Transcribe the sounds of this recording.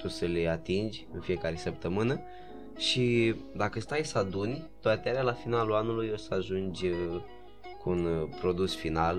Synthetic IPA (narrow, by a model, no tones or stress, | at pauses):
t̪usəle̞at̪ind͡ʒʲɨnfije̞kaɾe̞səp̚t̪əmɨnə | ʃid̪akəst̪ajsad̪unʲt̪oat̪eaɾʲalafinaluanulujo̞səaʒund͡ʒʲ | kunpɾo̞d̪usfinal